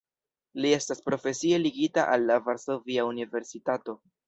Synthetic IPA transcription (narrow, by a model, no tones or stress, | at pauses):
lie̞staspɾo̞fe̞sie̞liɡitaʔalːavaɾso̞viaunive̞ɾsitato̞